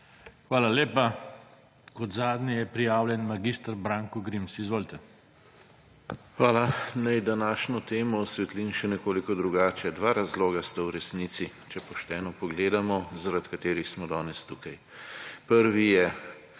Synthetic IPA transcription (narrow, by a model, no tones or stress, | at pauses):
xʋaːlaleːpa | kɔd̪zaːd̪nʲijɛpɾijaːwlʲjɛnmaɡist̪aɾbɾaːŋkuɡɾimsizʋoːlit̪ɛ | xʋaːlanajd̪anaːʃnɔt̪eːmɔsʋɛt̪linʃɛnɛkoːlikɔd̪ɾuɡaːt͡ʃɛd̪ʋaːɾazloːɡast̪awɾɛsnit̪si | t͡ʃɛpɔʃt̪ɛːnɔpɔɡleːd̪amɔzaɾat̪kat̪eːɾixsmɔd̪ɔːnɛst̪uːkaj | pəɾʋijɛ